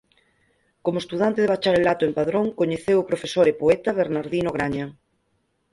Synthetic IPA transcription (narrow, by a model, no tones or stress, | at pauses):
komoest̪uðant̪eðeβat͡ʃaɾelat̪ʊempaðɾoŋkoɲeθewopɾofesoɾepoɛt̪ɐβeɾnaɾðinoɣ̞ɾaɲa